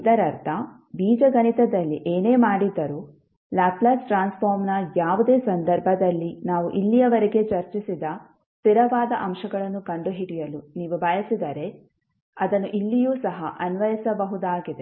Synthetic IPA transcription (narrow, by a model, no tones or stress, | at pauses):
id̪ɐɾɐɾt̪ʰɐ | biːd͡ʒɐɡɐnit̪ɐd̪ɐlːiʔeːne̞ːmaːɽid̪ːɐɾuː | laːplɐsʈɾaːnspʰoːɾmnɐjaːʋud̪e̞ːsɐnd̪ɐɾbʱɐd̪ɐlːinaːʋuʔilːijɐʋɐɾeɡe̞t͡ʃɐɾt͡ʃisid̪ɐ | st̪iɾɐʋaːd̪ɐʔɐmʃɐɡɐɭɐnːukɐɳɖuɦiɽijɐluniːʋubʱɐjɐsid̪ɐɾe̞ | ɐd̪ɐnːuʔilːijuːsɐɦɐʔɐnʋɐjisɐbɐɦud̪aːɡid̪e